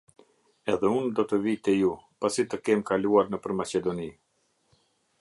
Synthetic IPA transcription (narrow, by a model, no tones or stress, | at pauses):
ɛðɛund̪ɔt̪əvit̪ɛjupasit̪əkɛmkaluaɾnəpəɾmat͡ʃɛd̪ɔni